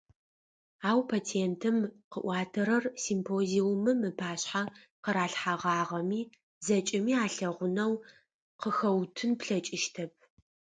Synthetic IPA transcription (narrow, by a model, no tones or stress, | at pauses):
aːwpʰaːt͡sʰientʰɨmqə̰ʔʷɑːtʰɐɾɐrsimpʰoːziwʊmɨmɨpʰaːɕħa | qəɾaːɬħaʁɑːʁɐmiː | zɐt͡ʃʼɪmiːaːɬɐʁʷʊnɐw | qəxɐwtʰɨnpɬɐt͡ʃʼɪʃtʰɐp̚ʰ